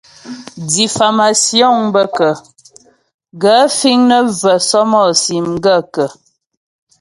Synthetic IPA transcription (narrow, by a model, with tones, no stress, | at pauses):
di˨fa˨ma˨sjɔ˦˨ŋbə˦kə˨ | ɡə˨˦fi˦ŋnə˦və˨sɔ˦mɔ˦˨si˨m˦ɡə˦˨kə˨